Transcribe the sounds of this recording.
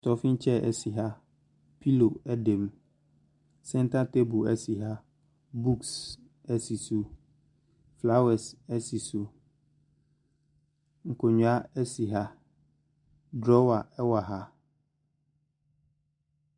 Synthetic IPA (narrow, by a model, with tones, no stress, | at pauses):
tʰɔ˨fĩ˦n˦t͡ɕʰɛ˦˨ʔɛ̰˨si˨ɦa˦ | pʰi˦lo˨ɛ˦dɛ̃˨m | sɛ̃˦n˦tʰa˦tʰe˦bo˨ɛ˦si˨ɦa˦ | bu˦ks | ɛ˦si˨su˨ | fla˦wɛ˨sɛ˦si˨su˨ | ŋ̩˨kʰo˨ɲũ˨a˦ɛ˦si˨ɦa˦ | dɾɔ˦wa˨ɛ˦wa˨ɦa˦